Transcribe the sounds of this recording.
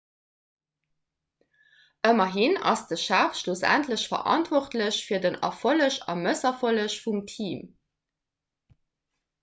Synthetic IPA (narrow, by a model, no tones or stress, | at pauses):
ʔəmɐɦinɑ̰sd̥əʃæːfʃlusæ̰ntləɕfɐ̰ʔɑ̰ntvɔχtləɕfiːɐdənɑ̰foləɕɑ̰məsɐfoləɕfumtʰiːm